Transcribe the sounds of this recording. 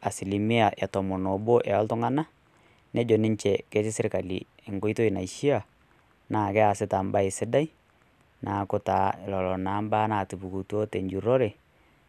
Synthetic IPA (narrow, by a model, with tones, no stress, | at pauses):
a˨si˨li˨mɪ˦a˨ʔa˨tɔ˨mɔ˨nɔ˨bo˦ʔɛ˨ɔ˦ltʊ˦ŋa˦na˦ | nɛ˦d͡ʒo˨nɪ˦ɲt͡ʃɛ˨kɛ˦t͡ʃɪ˦sɪ˦ɾka˨lḭ˨ | ɪ˨ŋko˦i˦to˦i˨na˨i˨ʃi˦a˦˨ | naː˨kɛ˦a˨sɪ˦ta˨mba˦ɪ˨sɪ˦da˦i˦ | nʔaː˨kʊ˦ta˨˦ɪ˨lɔ˨lɔ˨naː˨˦mbaː˦naː˨tu˨pu˨ku˨tu˦o˦te˨ɲd͡ʒu˨ɾo˦ɾe˨